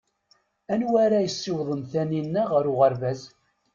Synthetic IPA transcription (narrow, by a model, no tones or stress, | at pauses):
ænwæɾæjəsːiwðˤəmθæninːæʁəɾʊʁəɾvæz